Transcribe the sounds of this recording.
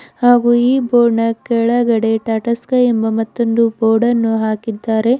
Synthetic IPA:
haːɡuːiːboːɾɳɐkɛɭɐɡɐɽe̞ʈaːʈɐskɐembɐmɐt̪ːond̪uboːɾɽɐnːuɦaːkid̪ːaːɾe̞

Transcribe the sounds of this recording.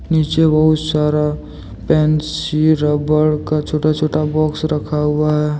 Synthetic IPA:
niːt͡ʃebəɦʊt̪saːɾa | pɛːnsiɾəbəɽkat͡ʃʰoːʈat͡ʃʰoːʈabɔːksɾəkʰaɦʊaɦɛː

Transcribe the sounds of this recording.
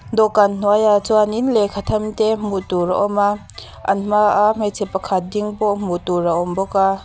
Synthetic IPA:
d̪ɔkann̥uajat͡suaninlɛkʰat̪ʰɐmt̪ɛmut̪uɾaʔɔma | ʔa̰nm̥aʔaʔmat͡sʰɛpːakʰat̪̚diŋbɔʔmut̪uraʔɔmbɔka

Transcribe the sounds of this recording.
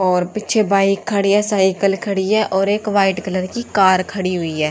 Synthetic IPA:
ɔːɾpɪtːʃʰebaːɪkʰːɐɽijasaːɪkəlkʰɐɽiɦɛʔɔːɾeːkʋaːɪʈkələɾkikaːɾkʰɐɽiɦʊiɦɛː

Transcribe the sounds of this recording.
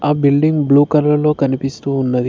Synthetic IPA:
aːbilɖiŋɡbluːkɐɾɐlɐlo̞ːkɐnipist̪uːnːɐd̪i

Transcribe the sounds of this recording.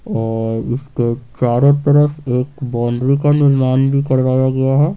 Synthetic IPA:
ɔːɾɪsket͡ʃaːɾot̪əɾəfeːkbɔːɳɖɾikanɪɾnaːnbʱikɐɽɾaːjaɡɐjaɦɛː

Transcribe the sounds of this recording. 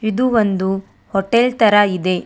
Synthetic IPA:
id̪uʋond̪u | hoʈelt̪ɐɾɐid̪e̞

